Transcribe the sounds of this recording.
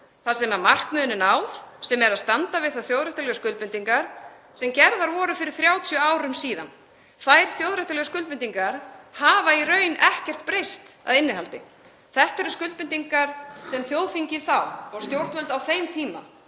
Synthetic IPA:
θasɛmaɾmar̥kmʏːnɪnawfsɛmɛɾaðst̪ant̪avɪðθaðθjowðɾɛht̪alœɣskʏlpʏnt̪iŋkaɾ̥ | sɛmcɛɾðaɾvɔːɾʏfɪɾɪɾ̥θɾjaːwt̪ʰjœaːwɾʏmsiːða̰n | θajɾ̥θjowðɾɛht̪alœɣskʏlpmɪnt̪iŋkaɾ̥haːvairœːɥnɛhcɛr̥t̪̚pɾejst̪a̰ðɪnːɪɦalt̪ɪ̰ | θɛht̪ɛɾʏskʏlt̪pɪnt̪iŋkaɾ̥sɛmθjowðfiɲcɪθawɔɣst̪jowr̥t̪vœlt̪awθejmt̪ʰiːma̰

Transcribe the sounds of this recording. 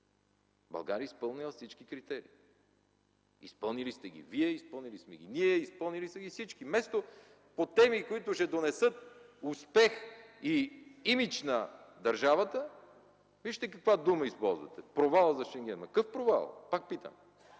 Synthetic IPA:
bɐ̰lˠɡaɾiəispɤlˠnilˠəfsit͡ʃkikɾit̪ɛɾḭː | ispɤlˠnilist̪ɛɡʲḭviɛispɤlˠnilismɛɡʲiniɛispɤlˠnilisɛɡʲifsit͡ʃkimɛst̪o | pot̪ɛmikoit̪ʊʃɛd̪onɛsɤt̪̚ʊspɛxiimit͡ʃnɐd̪ɐɾʒavət̪ə | viʃt̪ɛkɐkvad̪uməispɔlˠzvɐ̰t̪ɛpɾovalˠəzɐʃɛŋɡʲɛnmɐkɤfpɾova̰lˠpak̚pit̪ə̰n

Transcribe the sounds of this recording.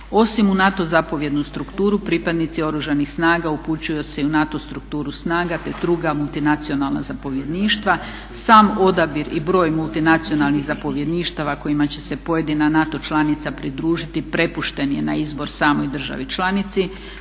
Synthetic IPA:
o̞simunat̪o̞zapo̞ʋje̞d̪nust̪ɾukt̪uːɾupɾipad̪nit̪sio̞ɾuʒanixsnaːɡauput͡ɕujose̞iunat̪o̞st̪ɾuk̚t̪uːɾusnaːɡat̪e̞d̪ɾuɡamulˠt̪inat̪sio̞nalˠna̰zapo̞ʋje̞d̪niːʃt̪ʋa | saːmo̞d̪abiɾibɾo̞ːjmulˠt̪inat̪sijo̞nalˠniɣzapo̞ʋje̞d̪niʃt̪aʋako̞jimat͡ɕe̞se̞po̞je̞d̪inanat̪o̞t͡ʃlˠanit̪sapɾid̪ɾuːʒit̪ipɾe̞puʃt̪e̞njena̰izbo̞ɾsaːmo̞jd̪r̩ʒa̰ʋit͡ʃlˠanit̪si

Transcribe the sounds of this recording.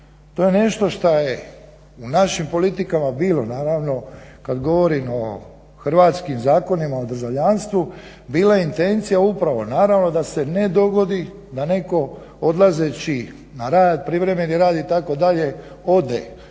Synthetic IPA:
t̪o̞je̞ne̞ʃt̪o̞ʃt̪aje | unaʃimpo̞lit̪ikamabiːlo̞naːɾaʋno̞kad̪ɡo̞ʋo̞ɾimo̞ | xr̩ʋaːt̪skimzaːko̞nimaod̪r̩ʒaʋʎanst̪ʋu | biːlaint̪e̞nt̪sijaupɾaʋo̞naːɾaʋno̞d̪ase̞ne̞d̪o̞ɡo̞d̪i | d̪ane̞ko̞ | o̞d̪lˠaze̞t͡ɕi | naɾaːd̪̚pɾiʋɾe̞me̞niɾaːd̪it̪ako̞d̪aʎe̞ | o̞d̪ḛ

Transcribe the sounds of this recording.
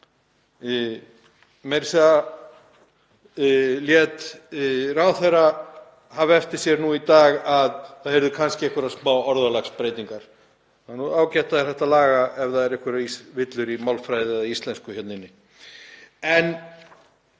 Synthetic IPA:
mɛɾsa | ljɛt̪ | raːwθejra | havɛft̪ɪɾ̥sjɛɾnuit̪aːɣaðθaðhɛɾðʏkʰanscɪɛhkvʏɾaðsmaːwɔɾðalaxspɾejt̪iŋkaɾ̥ | anuaːwcɛjht̪aðɪɾ̥θɛht̪alaːɣaɛvðaðɛɾɛhkʏɾaisvɪt̪lʏɾimawlfɾajðɪɛðaist̪lɛnskʏhjɛt̪nɪnːɪ | ɛn

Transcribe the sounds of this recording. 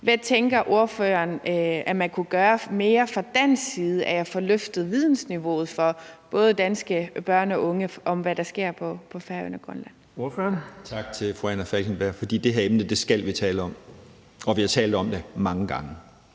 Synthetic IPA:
ʋæt͡sʰeŋɡ̥ɐʔo̝ɐfø̰ːɐnæmænkʰuɡ̥ɶːɐme̝ːɐfɑ̈d̥æn̰siːð̞ˠəʔæɐjɑ̈fɒ̽løfd̥ð̞̩ˠʋið̞ˠn̩sniʋo̝̰ːð̞̩ˠfɒ̽b̥ɔ̽ːð̞ˠəd̥ænsɡ̥əb̥ɶɐ̰nɒ̽ʔɔ̽ŋəʔɒ̽mʋæɾ̥ɑ̈sɡ̥e̝ɐ̰pʰɒ̽pʰɒ̽fæɐø̰n̰ɐɡ̥ʁɶnlæn̰ | oɐføɐnt͡sʰɑ̈ɡ̥̚t͡sʰe̝lfʁoænɐfælkʰenb̥æɐ̰fɒd̥ḭːd̥e̝ɦeɐemnəd̥e̝sɡ̥æl̰ʋit͡sʰɛːl̩ɒ̽m | ɒ̽ʋihɑ̈t͡sʰɛːld̥̩ˠɒ̽md̥emɑ̈ŋəɡ̥ɑ̈ŋə

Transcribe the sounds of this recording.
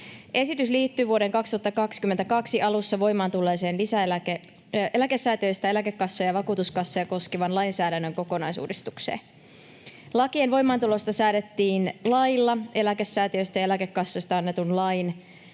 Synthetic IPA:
ʔe̞sit̪ysliːt̪ːyːʋuo̞ɾeŋkɑkst̪uɑt̪ːɑkɑkskyment̪ækɑksiʔɑlusːɑʋo̞jmɑːnt̪ulːe̞ːse̞ːnlisæelæke | ʔe̞læke̞sːæːt̪iø̞jst̪æe̞lækekːɑsːojɑʋɑkuːt̪uskɑsːojɑko̞skiʋɑnlɑjnsæːdænːøŋko̞ko̞nɑjsṵːdist̪uksḛː | lɑkienʋo̞jmɑːnt̪ulo̞st̪ɑsæːdet̪ːiːnlɑjlːɑe̞læke̞sːæːt̪iø̞st̪ɑjɑelækekːɑsːo̞jst̪ɑɑnːe̞t̪unlɑjn

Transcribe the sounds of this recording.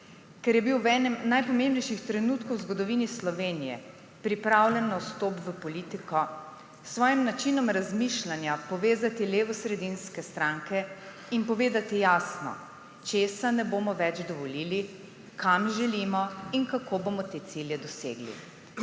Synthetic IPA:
kɛɾjɛbiwɛːnɛmnajpɔmẽmbnɛjʃixt̪ɾɛnuːt̪kɔwzɡɔd̪ɔʋiːnislɔʋeːnijɛ̰ | pɾipɾawlʲɛnːawst̪oːpʋəpɔliːt̪ikɔ | sʋɔːjimnat͡ʃinɔmɾazmiʃlanjapɔʋeːzat̪ileːʋɔsɾɛd̪inskɛst̪ɾaŋkɛ | inpɔʋeːd̪at̪ijaːsnɔ̰ | t͡ʃeːsanɛboːmɔʋɛd͡ʒd̪ɔʋɔliːli | kamʒɛlimɔinkakʰobomɔt̪eːt̪siljɛd̪ɔsḛːɡlḭ

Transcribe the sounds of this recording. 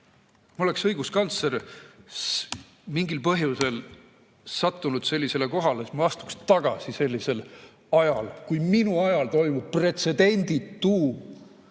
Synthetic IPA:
mo̞le̞ksɤjɡ̥uskɑnt̪seɾs | miŋɡilpɤɦjuse̞l | sɑt̪ːunud̪̥se̞lʲːise̞le̞ko̞ɦɑleet̪mɑst̪u̥kst̪ɑɡ̥ɑsise̞lʲːise̞l | ɑjɑlkujminuɑjɑlt̪o̞jmub̥̚pre̞t̪se̞d̪̥e̞nʲd̪̥it̪ːuː

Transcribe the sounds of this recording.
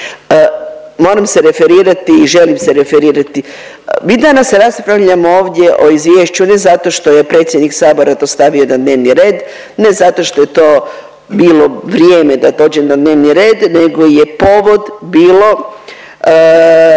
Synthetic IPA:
mo̞ːɾamseɾe̞feɾiːɾat̪iːʒe̞limseɾe̞feɾiːɾat̪i | mid̪anasːeɾaspɾaʋʎamooːʋd̪ʲje̞ʔo̞izʋje̞ːʃt͡ɕune̞zat̪o̞ʃt̪o̞je̞pɾet̪sʲje̞d̪niksaːbo̞ɾat̪o̞ːst̪aʋionad̪neːʋniɾe̞ːd̪ | ne̞zat̪o̞ʃt̪o̞je̞t̪o̞ː | biːlo̞ʋɾjeːmed̪ad̪o̞ːd͡ʑenad̪ne̞ːʋniɾe̞ːd̪ne̞ɡo̞je̞po̞ʋo̞d̪biːlo̞

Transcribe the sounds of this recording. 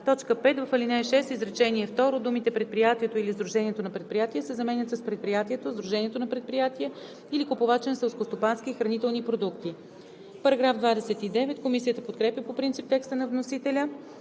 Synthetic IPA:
t̪ɔt͡ʃkəpɛt̪vɐfɐlinɛɛʃɛst̪izɾɛt͡ʃɛniɛft̪ɔɾod̪umit̪ɛpɾɛt̪̚pɾijat̪iɛt̪oilizd̪ɾuʒɛniɛt̪onɐpɾɛt̪̚pɾijat̪iəsɛzɐmɛnʲət̪səspɾɛt̪̚pɾijat̪iɛt̪ozd̪ɾuʒɛniɛt̪onɐpɾɛt̪̚pɾijat̪iə | ilikopovat͡ʃɛnɐsɛlˠskost̪opansk̟iːxɾɐnit̪ɛlˠnipɾod̪ukt̪i | pɐɾɐɡɾavd̪vad̪ɛsɛt̪id̪ɛvɛt̪komisijət̪əpot̪kɾɛpʲjəpopɾint̪sip̚t̪ɛkst̪ənɐvnosit̪ɛlʲə

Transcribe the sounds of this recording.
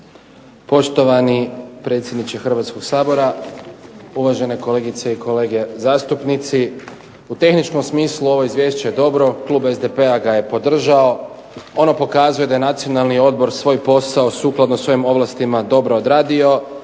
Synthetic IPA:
po̞ʃt̪o̞ʋanipɾe̞t̪sjed̪nit͡ʃexr̩ʋat̪sko̞ɡsaːbo̞ɾa | uʋaʒe̞ne̞ko̞le̞ːɡit̪se̞iko̞le̞ːɡe̞zaːst̪upnit̪si | ut̪e̞xnit͡ʃko̞msmiːsluo̞ʋo̞mizʋje̞ːʃt͡ɕejed̪o̞bɾo̞klˠuːbezd̪epe̞aɡaje̞po̞d̪r̩ʒao̞ | o̞nopo̞kaːzuje̞d̪ajenat̪sio̞nalˠnio̞d̪bo̞ɾsʋo̞ːjpo̞saosuːklˠad̪nosʋo̞jimo̞ʋlast̪imad̪o̞bɾo̞od̪ɾaːd̪io̞

